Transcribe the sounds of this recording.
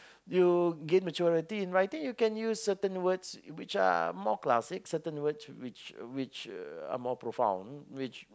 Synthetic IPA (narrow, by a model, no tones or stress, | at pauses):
juɡɛt̚mət͡ʃɔɹitiĩnɹajtĩŋjukɛ̃njusːətə̃nwədswɪt͡ʃa̰mɔkla̰sɪksətə̃nwətswɪt͡ʃwɪt͡ʃa̰mɔpɹofã̰w̃nwɪt͡ʃ